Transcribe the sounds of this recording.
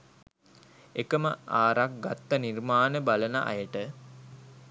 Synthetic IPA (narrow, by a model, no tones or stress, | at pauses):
ekəməaːɾak̚ɡat̪ːənirmaːnəbalənə̰ʔa̰jəʈə